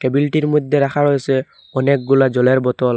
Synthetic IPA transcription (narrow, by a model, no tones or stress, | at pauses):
kɛbilʈiɹmɔd̪ʱːɛɹaxʰaɹojsɛ | ɔnɛk̚ɡulazɔlɛɹbɔtɔl